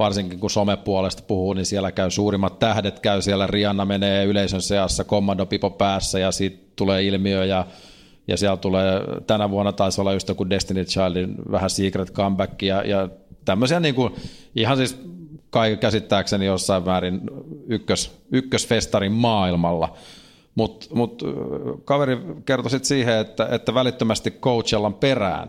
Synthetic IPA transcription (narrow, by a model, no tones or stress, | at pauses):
ʋɑrsiŋkiŋkusomepːuolest̪puhuːninsiɛlːækæysuːrimːɑt̪t̪æhdet̪kæysiælːæriɑnːɑmeneːyleisønseɑsːækomːɑndopipopæːsːæjɑsiːt̪ | t̪uleːilmiøjɑ | jɑ̰siælt̪uleːt̪ænæʋuɑnːɑt̪ɑisolːɑyst̪økudest̪init̪t͡ʃɑrlinʋæ̰hæsiːkret̪kɑmbækːijɑjɑt̪æmːøsiæniːŋkun | ihɑnsiːskɑikkæsit̪ːæːksenijosːɑiʋmæːrinykːøsykːøsfest̪ɑrimmɑːilmɑlːɑ̰ | mut̪mut̪kɑʋeɾikert̪osit̪siːheet̪ːæʔet̪ːæʋælit̪ːømæst̪ikkout͡ʃelːɑmperæ̰ːn